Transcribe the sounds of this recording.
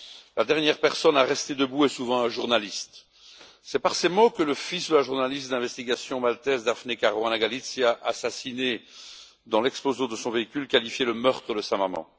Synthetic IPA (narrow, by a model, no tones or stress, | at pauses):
lad̪ɛʁnjɛʁpɛʁsɔnaʁɛst̪ed̪əbuɛsuvɑ̃ɛ̃ʒuʁnalist̪ | sɛpaʁsemokələfisd̪əlaʒuʁnalist̪̚d̪ɛ̃vɛst̪iɡasjɔ̃malt̪ɛzd̪afnekaʁoãnaɡalit̪siaʔasasine | d̪ɑ̃lɛksplozõd̪əsɔ̃veikʲylkalifjeləmœʁt̪χəd̪əsamamɑ̰̃